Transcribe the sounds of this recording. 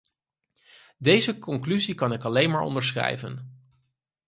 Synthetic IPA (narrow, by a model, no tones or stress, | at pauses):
dejzəkɔŋklyzikɑnɪkɑlejnmaːɹɔ̰ndəɹsχrɛ̰jvə̰n